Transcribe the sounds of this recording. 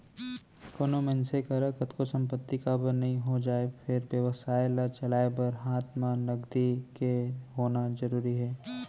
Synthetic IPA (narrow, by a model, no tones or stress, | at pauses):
konomɛ̃nsekɐɾəkɐt̪kosɐ̃mpət̪ːikabəɾnɐɦĩɦod͡ʒaːefʰɪɾbjəʋəsaːelɐɾt͡ʃɐlaːebɐɾɦaːt̪mãlɐɡd̪ikeɦoːnazɐɾuːɾiɦɛː